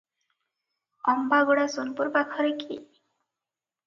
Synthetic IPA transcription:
ɔmbaɡoɽasonpuɾpakʰɔɾekʰḭ

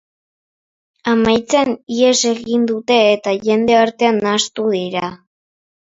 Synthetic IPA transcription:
amajt͡sanie̞se̞ɣind̪ut̪e̞ːt̪aʝe̞nd̪e̞aɾt̪e̞anːast̪uðiɾa

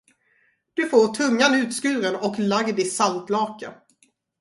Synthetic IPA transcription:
d̪̥ɵfoːɾʈʰɵŋːanʉ̟ːt̪skʉ̟ːɾənɔklaɡd̪ɪsalt̪lɑːkə

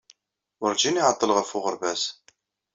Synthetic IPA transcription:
ʊɾd͡ʒiniʕət̪ˤːəlʁəfʊʁəɾbæz

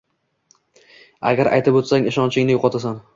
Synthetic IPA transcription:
a̰ɡʲaɾʔa̰jt̪ʰɪbot̪saŋɪʃɒnt͡ʃʰɪŋnɪjoqʰɒt̪as̬an

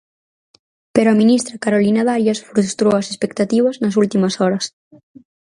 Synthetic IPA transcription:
peɾoaminist̪ɾakaɾolinaðaɾjasfɾust̪ɾoɐsespekt̪at̪iβɐznɐs̬ult̪imɐsɔɾɐs

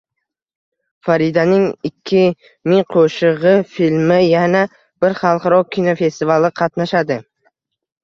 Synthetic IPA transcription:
faɾid̪anɪŋɪkʲʰːɪ | mɪŋqʰoʃɨʁɨfilmɪjana | b̥ɪɾχɑlˠqɑɾɒkʲʰːinofe̞st̪ivalɪqʰɑt̪naʃad̪ɪ

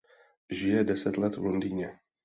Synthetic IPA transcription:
ʒɪjɛdɛsɛt̪lɛt̪vlondiːɲɛ

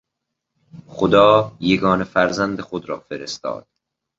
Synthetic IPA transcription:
χod̪ɒːjeɡɒːnefæɾzænd̪exod̪ɾɒ̰ːfeɾest̪ɒ̰ːd̪̥

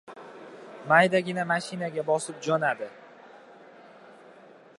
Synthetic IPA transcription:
majd̪aɡʲɪnamaʃɪnaɡʲabɒsɪp̚d͡ʒɒnad̪ɪ

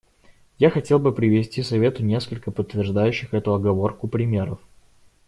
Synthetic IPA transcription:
jaxɐtʲe̞lˠbɨpɾʲɪvʲɪsʲtʲisɐvʲe̞t̪ʊnʲe̞skəlʲkəpət̪ːvʲɪrʐd̪ajʉɕːɪxɛt̪ʊɐɡɐvo̞rkʊpɾʲɪmʲe̞ɾəf

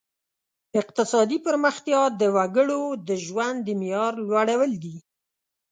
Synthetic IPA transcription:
ɪq̚t̪ɪsɑd̪ipəɾməxt̪jɑd̪əwaɡəɽod̪əʒwand̪ːəmijɑɾlwaɽawəld̪i

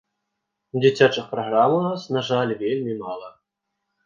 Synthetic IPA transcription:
d͡zʲit͡sʲat͡ʂɨxpɾɐɣɾamunasnaʐalʲvʲelʲmʲimalˠɐ

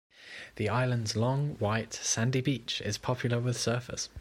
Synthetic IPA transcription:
ðiaɪlə̃ndzlɒ̃ŋwaɪtsãndibiˑt͡ʃɪ̰z̥pʰɒpʰjl̩ˠəwɪð̥sɜˑfɪ̰s

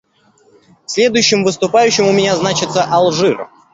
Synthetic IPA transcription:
ksʲlʲe̞d̪ʊjʉɕːɪmvɨst̪ʊpajʉɕːɪmʊmʲɪnʲaznat͡ɕɪt̪səʔɐlˠʐɨr

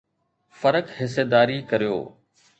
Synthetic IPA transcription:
fɐɾəkhɪsed̪aːɾikɐɾijo̰ː

